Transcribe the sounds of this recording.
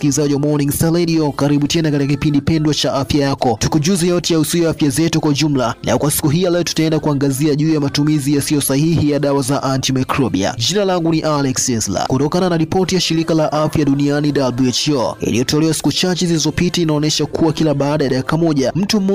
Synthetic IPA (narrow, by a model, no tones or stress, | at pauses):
kilizaʄiwamɔniŋstalɛɗiɔkaɾiɓutɛnakatikakipindipɛndwat͡ʃaʔafjajakɔtukuʄuzɛjɔtɛjausiɔaafjazɛtukwauʄum̩lana̰kwasi̥kuɦijalɛɔtu̥taɛndakuaŋɡaziaʄuːjamatumizijasiɔsahihijaɗawazaʔantimakɾɔɓḭa̰ʄinalaŋɡuniʔalɛksɛsla̰kutɔkananaɾipɔtijaʃiɾikalaʔafjaɗunianiɗalbuɛt͡ʃjɔḭlijɔtɔlɛwasi̥kut͡ʃat͡ʃɛzilizɔpitainaɔnɛʃakʰuwakilaɓaːɗajaɗakikamɔʄam̩tum̩mɔ